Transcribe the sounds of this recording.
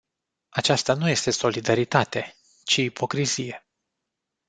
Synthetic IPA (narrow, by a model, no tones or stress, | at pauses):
at͡ʃast̪anuje̞st̪e̞so̞lid̪aɾit̪at̪e̞ | t͡ʃiːpo̞kɾizije̞